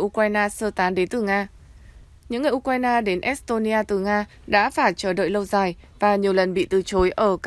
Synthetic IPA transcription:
ʔu˧kwaː˧jnaː˧səː˧t̪aː˨˦nɗe˨˦nt̪ɨ˨˩ŋaː˧ | ɲɨ̰˧˥ŋːɨ˨˩ʔu˧k̚waː˧jnaː˧ɗe˨˦nʔɛ˦˥st̪o˧ni˧ʔaː˧t̪ɨ˨˩ŋaː˧ | ɗa̰ː˧˥faː˧˩t͡ɕəː˧˩ɗə̰ː˧˨jlə˧wzaː˨˩j | vaː˨˩ɲi˨˩əwlə˨˩nɓḭ˧˨t̪ɨ˨˩t͡ɕo˨˦jʔəː˧˩k

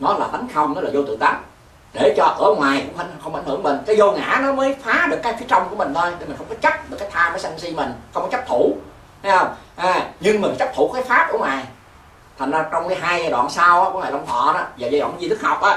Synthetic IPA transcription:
nɔ˨˦laː˨˩t̪ʰa˨˦ŋ̟xə˧wŋ͡mnɔ˨˦laː˨˩zo˧t̪ɨ̰˧˨ŋt̪a˧˨˩n | ɗe˧˩t͡ɕɔ˧ʔə˧˩əŋwaː˨˩jxʊ̰˧˥ŋ͡mʔa˧˨˦n˨˩xə˧wŋ͡mʔa˧˩jn̟ɨ̰˧˩əŋmï˨˩ŋ̟kaː˨˦jzo˧ŋa̰ː˧˥nɔ˨˦məː˨˦jfaː˨˦ɗɨ˨˩əkːaː˨˦jfi˨˦t͡ɕɔ˧wŋ͡mku˧˩əmï˨˩ŋ̟t̪ʰo˧jɗe˨˧˩mi̟˨˩xə˧ŋ͡mkɔ˨˦t͡ɕa˦˥p̚ɗɨ˨˩kaː˨˦jt̪ʰaː˧mfaː˨˦sa˧ŋsi˧mï˨˩ŋ̟xə˧wŋ͡mkɔ˦t͡ɕa˦˥p̚t̪ʰu˧˩ | ha˨˦jhə˧wŋ͡mɲɨ˧ŋmi˨˩t͡ɕa˦˥p̚t̪ʰṵ˧˩˥kaː˨˦jfaː˦˥p̚ʔu˧˩ə˦ŋwaː˨˩j | t̪ʰa˨˩nzaː˧t͡ɕɔ˧wŋ͡mkaː˨˦jɦaː˧jzaː˧jɗwa̰ː˧˨nsa˧wʔaː˨˦kːŋaː˨˩la˧ŋ͡mt̪ʰɔ̰˧˨naː˨˦zaː˨˩zaː˧jɗw̰ːn˨˦i˧t̪ʰɨ˦˥k̚hɔ˨˩wk͡p̚ʔaː˨˦

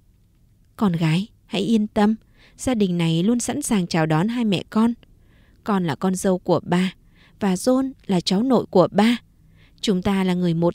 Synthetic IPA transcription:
kɔ˧nɣaː˨˦j | ha̰˧˥jʔi˧ənt̪ə˧m | z̥aː˧ɗï˨˩ŋ̟na˨˩jlu˧ənsa̰˧˥nsaː˨˩ŋt͡ɕaː˨˩wɗɔ˨˦nɦaː˧jmɛ̰˧˨kɔ˧n | kɔ˧nlaː˨˩kɔ˧nzə˧wku˧˩əɓaː˧ | vaː˨˩zo˧nlaː˨˩t͡ɕa˨˦wno̰˧˨jku˧˩əɓaː˧ | t͡ɕʊ˨˦ŋ͡mt̪aː˧laː˨˩ŋɨ˨˩əjmo˨˩t̚

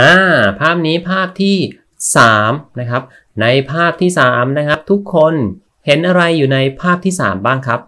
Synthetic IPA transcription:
ʔaː˧˩pʰaː˥˩p̚niː˦˥pʰaː˥˩p̚t̪ʰiː˥˩ | saː˩˦mna˦˥kʰɾa˦˥p̚ | na˧jpʰaː˥˩p̚t̪ʰiː˥˩saː˩˦mna˦˥kʰɾa˦˥p̚t̪ʰu˦˥kʰːo˧n | he˩˦nʔa˧ɾa˧jːuː˨˩na˧jpʰaː˥˩p̚t̪ʰiː˥˩sa̰ː˩˦mbaː˥˩ŋkʰɾa˦˥p̚

